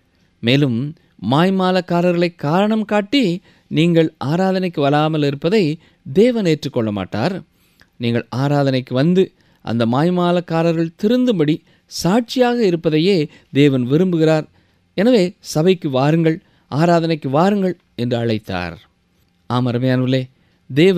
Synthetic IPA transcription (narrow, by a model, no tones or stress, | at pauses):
meːlɯmː | aːjmaːlɐkːaːɾɐɾɣɐɭɐɪkːaːɾɐɳɐmkaːʈːi | niːŋɡɐɭʔaːɾaːðɐnɐɪkːɯʋɐlaːmɐlɪɾɯpːɐðɐɪ | d̪eːʋɐneːʈrɯkːɔɭːɐma̰ːʈːa̰ːɾ | niːŋɡɐɭaːɾaːðɐnɐɪkːɯʋɐnd̪ɯ | ʔɐ̰nd̪ɐmaːjmaːlɐkːaːɾɐɾɣɐɭt̪ɪɾɯnd̪ɯmbɐɽi | saːʈ̚t͡ʃɪjaːɣɐɪɾɯpːɐðɐjeː | d̪eːʋɐnʋɪɾɯmbɯɣɪraːɾ | ɛnɐʋeːsɐbɐɪkːɯʋaːɾɯŋɡɐɭ | ʔaːɾaːðɐnɐɪkːɯʋaːɾɯŋɡɐɭ | ɛndrɯɐɭɐɪt̪ːa̰ːɾ | aːmɐɾɐmɐjaːnʋɪleː | d̪eːʋ